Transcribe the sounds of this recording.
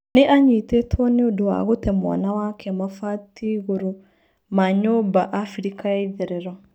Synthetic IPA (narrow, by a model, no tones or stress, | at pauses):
neʔaɲitetʰwɔneodowa̰ɣotɛmwa̰nawakʰɛmafatiɣoɾo | maɲobaʔafiɾikajaiðeɾeɾɔ